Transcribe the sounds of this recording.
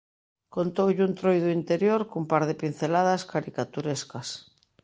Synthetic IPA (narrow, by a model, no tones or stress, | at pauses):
kont̪owʎunt̪ɾojðuint̪eɾjoɾkoumpaɾð̞epin̟θelað̞askaɾikat̪uɾeskas